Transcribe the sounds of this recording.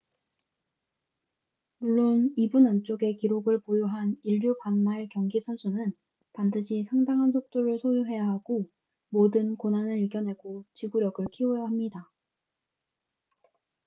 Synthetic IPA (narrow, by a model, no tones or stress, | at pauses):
muɭːonibunant͡ɕ͈oɡe̞kiɾoɡɯɭpojoɦaniʎːjupanːaɭkjʌŋɡisʰʌnsʰunɯn | pandɯɕʰisʰaŋdaŋɦansʰok̚t͈oɾɯɭsʰojuɦe̞jaɦaɡo | modɯnkonɦanɯɾiɭɡjʌnɦe̞ɡot͡ɕiɡuɾjʌɡɯɭkʰiojaɦamɲida